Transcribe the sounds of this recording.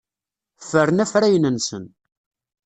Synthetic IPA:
fəɾənæfɾæjənənsə̰n

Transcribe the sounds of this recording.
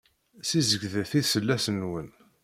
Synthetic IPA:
sizəɡðəθiðsəlːæsənwən

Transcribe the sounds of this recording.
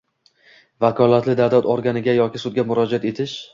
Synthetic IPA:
vakʰɒlˠat̪ʰlɪd̪avd̪at̪ɒɾɡʲanɪɡʲajɒkʲɪsʊd̪̚ɡʲamʊɾɒd͡ʒat̪e̞t̪ʰɪʃ

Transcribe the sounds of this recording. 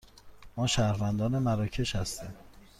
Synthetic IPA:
mɒːʃæhɾvænd̪ɒːnemæɾɒːcʰe̞ʃhæst̪iːm

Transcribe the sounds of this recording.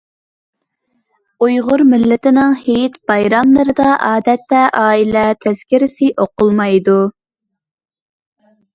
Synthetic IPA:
ujʁʊɾmɪlːɪt̪ɪnɨŋhejt̪b̥ɑjɾɑmlˠəɾɨd̪ɑʔɑːd̪ɛt̪ːɛʔɑːilɛt̪ʰɛz̥kʲiɾɪsɪʔoqʰʊlˠmɑjd̪u

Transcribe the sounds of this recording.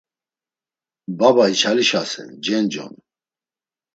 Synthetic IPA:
babait͡ʃʰaliʃasɛ̰nd͡ʒɛnd͡ʒɔ̰n

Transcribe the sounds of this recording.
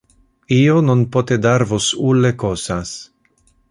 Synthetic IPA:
iononpot̪ed̪aɾvosulekosas

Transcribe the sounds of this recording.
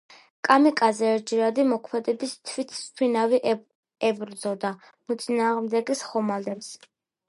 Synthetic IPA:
kʼamikʼazɛːɾd͡ʒiɾad̪imɔkʰmɛd̪ɛbist̪ʰvit̪ʰspʰwinaviʔ | ɛbɾd̪zɔd̪a | mut̪sʼinaːʁmd̪ɛɡisχɔmalɛps

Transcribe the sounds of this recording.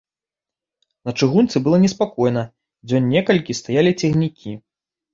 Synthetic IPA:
nɐt͡ʂɨɣunt̪sɨbɨlˠɐnʲɛspakɔjnɐ | d͡zʲɔnʲːɛkɐlʲkʲist̪ajalʲit͡sʲɛɣnʲikʲʰi

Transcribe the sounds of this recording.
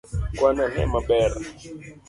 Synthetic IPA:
kwananɦɛ̰maɓɛɾa

